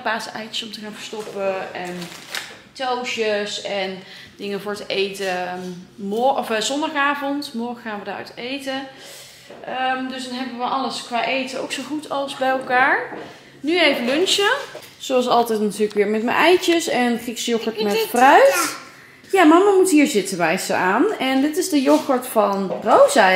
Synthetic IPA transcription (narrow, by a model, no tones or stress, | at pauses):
baːsəɛjt͡ʃəsɔmtəχaːnvəɹstɔpəɛn | towʃəsɛn | d̥ɪŋəvʊːɹtəejtə | mɔɔfzɔndɑχaːvɔntmɔɹχəxaːnʋədaːɹœ̰tejtə | ʔəmdɵsdɑnɦɛbəʋəʔɑləskʋaːʔejtəo̰wksowχutʰɑlˠzbɛjɛlˠkaːɹ | nyejvəlɵnʃə | z̥oɑs̬ɑlˠtɛtnatyːləkʋɪːɹmɛtmə̰nʔɛjtəsɛnχriksjɔkətmɛtfrœɥt | jamɑmamutɦiːɹzɪtəʋɛjsə̰aːnɛndɪtɪzdəjɔxəɹtfɑnrowzɛ